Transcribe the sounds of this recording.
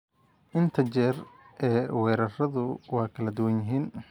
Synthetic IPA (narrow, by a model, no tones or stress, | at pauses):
ʔɪnt̪ʰɐt͡ʃɛːr | ʔɛːwɛːɾɐrɐðʊwɑːkʰɐlɐd̪ʊwɐnjɪɦiːn